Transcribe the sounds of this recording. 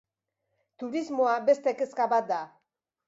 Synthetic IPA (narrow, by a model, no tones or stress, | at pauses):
t̪uɾizmoabe̞st̪ekeskaβat̪̚d̪a